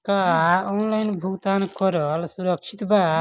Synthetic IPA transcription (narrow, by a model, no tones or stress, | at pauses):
kaɔnlajnbʱukt̪ankɔɾɔlsuɾʌkt͡ʃʰit̪ba